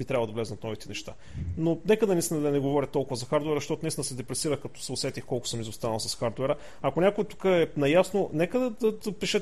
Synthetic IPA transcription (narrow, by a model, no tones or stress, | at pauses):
bit̪ɾavlˠd̪ɐvlɛznɐt̪nɔvit̪ɛnɛʃt̪a̰ | nonɛkəd̪ɐnʲist̪inɐd̪ɐnɛɡovɔɾʲət̪ɔlˠkʊvɐzɐxaɾd̪uɛɾzəʃt̪ɔt̪ʊnist̪nəsɛd̪ɛpɾɛsiɾəxkɐt̪ɔ̥sɛosɛt̪ixkɔlˠkʊ̥səmizost̪anɐlˠsɐsxaɾd̪ɛɾə | ɐkonʲakoɛt̪u̥kəɛnɐjasnonɛkəd̪ɐd̪ɐd̪ɐpiʃɛ